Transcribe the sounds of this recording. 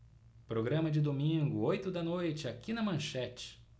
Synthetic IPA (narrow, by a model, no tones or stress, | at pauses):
pɾoɡɾɐ̃mɐd͡ʒɪd̪omĩɡʊojt̪ʊd̪ɐnojt͡ʃɪakinɐmɐ̃ʃɛt͡ʃɪ̥